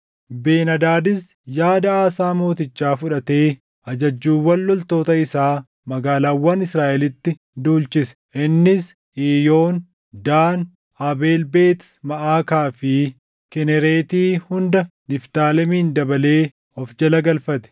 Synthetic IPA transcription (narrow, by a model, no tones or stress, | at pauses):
beːnɐd̪aːd̪ɪs | jaːd̪ɐaːsaːmo̞ːt̪ɪt͡ʃːaːfʊᶑɐt̪e̞ː | ʔɐd͡ʒɐd͡ʒːuːwɐlːɔlt̪o̞ːt̪ɐɪsaː | mɐɡaːlaːwːɐnɪsɾaːʔɛlɪt̪ːɪ | d̪uːlt͡ʃɪsɛ̥ʔɪnːɪs | iːjo̞ːn | d̪aːn | ɐbe̞ːlbe̞ːt̪mɐʔaːkaːfɪ | kɛnɛɾe̞ːt̪iːhʊnd̪ɐnɪft̪aːlɛmiːnd̪ɐbɐle̞ː | ɔfd͡ʒɐlɐɡɐlfɐt̪ɛ̥